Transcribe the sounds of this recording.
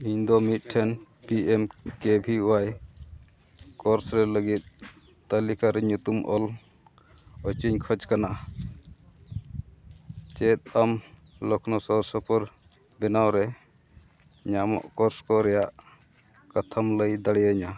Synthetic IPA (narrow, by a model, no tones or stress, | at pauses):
iɲd̪ɔmit̪̚ʈʰɛn | piɛmkebʱiuwaj | kɔɾsɾɛləɡit̪̚ | t̪əlikaɾɛɲut̪umʔɔ̰l | ɔt͡ʃiɲkʰəd͡ʒkana | t͡ʃɛt̪̚am | lɔkʰnɔsɔɾsɔpɔɾ | bɛnawɾɛ | ɲamɔ̰ʔkɔɾskɔɾɛjaʔ | kat̪ʰamləjd̪aɽɛjaɲa